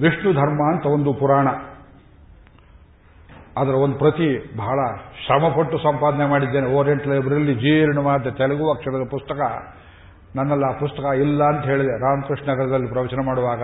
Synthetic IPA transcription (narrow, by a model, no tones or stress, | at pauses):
ʋiʂʈud̪ʱɐɾmaːɐnt̪ɐond̪upuɾaːɳɐ | ɐd̪ɐɾɐond̪upɾɐt̪ibɐɦɐɭɐʃɾɐmɐpɐʈːusɐmpaːd̪ɐnemaːɽid̪ːeːneoːɾijeɳʈlɐjbɐɾɐlːid͡ʒiːeɾinumaːd̪ːɐt̪ɛlɐɡuʋɐkʂɐɾɐd̪ɐpust̪ɐkɐ | nɐnːɐlːapust̪ɐkɐilːɐːnt̪ɐɦe̞ːɭid̪eɾaːmkɾiʂnɐɡɐɾɐd̪ɐlːipɾɐʋɛːt͡ʃɐnemaːɽuʋaːɡɐ